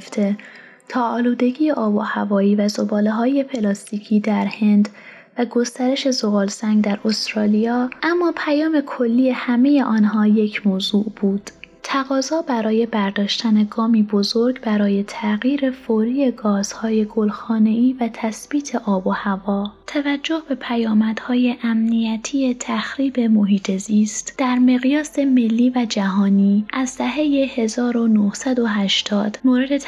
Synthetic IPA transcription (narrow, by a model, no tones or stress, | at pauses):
ft̪ʰe | t̪ʰɒːɒːluːd̪e̞ɟiːjeʔɒːbohævɒːiːvæzo̞bɒːle̞ɦɒːje̞pʰe̞lɒːst̪iːcʰiːd̪æɾhe̞nd̪ | væɡo̞st̪æɾe̞ʃe̞zoɣɒːlsæŋɡd̪æɾost̪ɾɒːlijɒːʔæmːɒːpʰæjɒːme̞kʰo̞lːiːe̞hæme̞je̞ʔɒːnɦɒːje̞cʰmoːzuːʔb̥uːd̪̥t̪ʰæɣɒːzɒːbæɾɒːje̞bæɾd̪ɒːʃt̪ʰæne̞ɡɒːmiːbo̞zo̞ɾɡbæɾɒːje̞t̪ʰæɣiːɾe̞foɾiːje̞ɡɒːz̥hɒːje̞ɡolxɒːne̞iːvæt̪ʰæsb̥iːt̪ʰe̞ʔɒːbo̞hævɒːt̪ʰævæd͡ʒːo̞hbe̞pʰæjɒːmæd̪̥hɒːje̞ʔæmnijæt̪ʰije̞t̪ʰæxɾiːbe̞mo̞ɦiːt̪ʰe̞ziːst̪d̪̥æɾme̞ɣijɒːse̞me̞lːiːvæd͡ʒæɦɒːniːʔæzd̪æɦe̞je̞he̞zɒːɾo̞nohsæd̪o̞ɦæʃt̪ʰɒːd̪̥moːɾe̞d̪e̞